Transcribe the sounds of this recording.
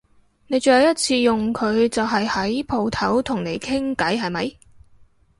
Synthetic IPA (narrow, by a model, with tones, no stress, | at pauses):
ne˨˧jt͡ʃɵ˨˧hɐ˧wjɐ˥t̚t͡sʰiː˧jʊ˨ŋkʰɵ˨˧ɥt͡sɐ˨wɦɐ˨jhɐ˨˥jpʰo˨˧wt̪ʰɐ˨˥wt̪ʰʊ˨˩ŋne˨˧jkʰɪ˥ŋkɐ˨˥jɦɐ˨jmɐ˨˧j